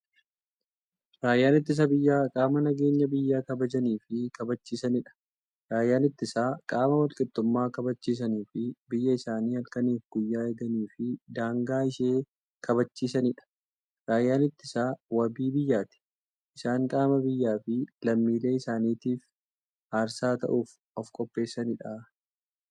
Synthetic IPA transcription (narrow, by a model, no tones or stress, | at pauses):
ɾaːjːaːnɪt̪ːɪs̬ɐbɪjːaːkʼaːmɐnɐɡe̞ːɲːɐbɪjːaːkɐbɐd͡ʒɐniːfɪkɐbɐt͡ʃːiːsɐnɪᶑɐ̥ | ɾaːjːaːnɪt̪ːɪsaːkʼaːmɐwɐlkʼɪt̪ːʊmːaːkɐbɐt͡ʃːiːs̬ɐniːfɪbɪjːɐɪsaːniːɐlkɐniːfɡʊjːaːjɛd̪ɐniːfɪd̪aːŋɡaːɪʃeː | kɐbɐt͡ʃːiːsɐnɪᶑɐ̥ | ɾaːjːaːnɪt̪ːɪsaːwɐbiːbɪjːaːt̪ɪ̥ | ʔɪsaːŋkʼaːmɐbɪjːaːfɪlɐmːiːle̞ːɪsaːniːt̪iːf | haːɾsaːt̪ɐ̰ʔuːf | ɔfkʼɔpʼːe̞ːsːɐnɪᶑa